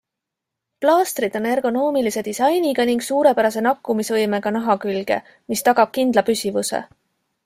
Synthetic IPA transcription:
plɑːst̪rid̪̥o̞ne̞rɡ̥o̞no̞ːmilise̞d̪̥isɑjniɡ̥ɑniŋɡsuːɾe̞pæɾɑse̞nɑkːˑumisvɤ̞jmeɡɑnɑɦɑkylɡ̥e̞̰ | mist̪ɑɡ̥ɑb̥̚kind̪lɑpysʲivusḛ

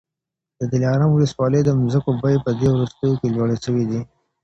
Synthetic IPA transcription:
d̪̥əd̪ɪlɑɾɑmwʊləswɑləd̪əmzəkobajpəd̪ewɾust̪əjokelwaɽeʃəwid̪i

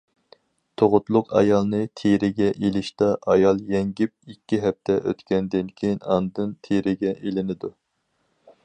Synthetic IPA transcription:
t̪ʰoʁʊt̪lˠʊqɑ̰jɑlˠnɨt̪ʰeɾɪɡʲɛʔelɪʃt̪ɑʔɑjɑlˠjɛŋɡʲip̚ikʲːiɦɛp̚t̪ʰɛʔø̰t̪kʲɛnd̪ɪnkʲʰejinɑ̰nd̪ɨnt̪ʰeɾɪɡʲɛʔelɪnɪd̪u

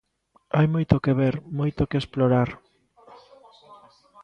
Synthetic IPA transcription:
ajmojt̪okeβeɾmojt̪okeesploɾaɾ

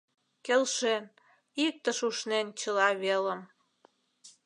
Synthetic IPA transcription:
kelʃen | ik̚t̪əʃuʃnent͡ɕəlɑβelə̆m

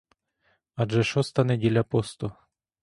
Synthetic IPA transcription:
ɐʒɛʃɔst̪ɐnɛdʲilʲapɔst̪ʊ

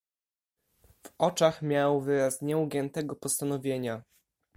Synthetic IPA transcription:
vɔt͡ʂaxmʲjawvɘɾasɲɛuɡʲɛnt̪ɛɡɔpɔst̪anɔvʲjeɲa

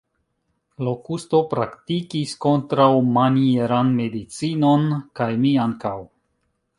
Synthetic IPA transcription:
lo̞kusto̞pɾa̰ktikisko̞ntɾawmanieɾanme̞dit͡sino̞nkajmiaŋkaw

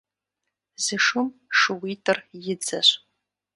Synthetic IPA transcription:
zɨʂɨmʂɨwitʰɨrjɪd͡zɐɕʷ

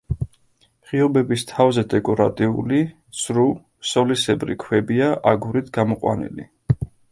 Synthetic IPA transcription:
ʁiɔbɛbist̪ʰavzɛd̪ɛkʼɔɾat̪ʼiuli | sɾu | sɔlisɛbɾḭkʰwɛbiaʔaɡuɾit̪ʰɡamɔqʼwa̰nḭlḭ

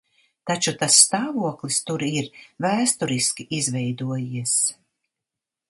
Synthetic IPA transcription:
t̪at͡ʃut̪asːt̪aːvuɔklˠist̪uɾiɾvæːst̪uɾiskʲiʔizvɛjd̪uɔjiɛs

